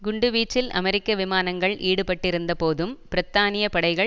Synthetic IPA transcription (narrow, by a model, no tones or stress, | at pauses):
ɡʊɳɖɯʋiːt͡ʃːɪlɐ̰mɛɾɪkːɐʋɪmaːnɐŋɡɐɭʔiːɽɯpɐʈːɪɾɯnd̪ɐpoːðɯmpɪɾɐt̪ːaːnɪjɐpɐɽɐɪɣɐɭ